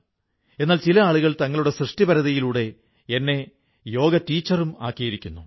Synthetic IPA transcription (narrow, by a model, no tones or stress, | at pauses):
e̞nːaːlt͡ɕilɐaːɭuɣɐɭt̪ɐŋːɐɭuɽe̞srɨʂʈibɐɾɐðɐjiluːɽe̞ | enːe̞ | jo̞ːɡɐtiːt͡ɕːɐruma̰ːkːijɐiɾikʲːunːu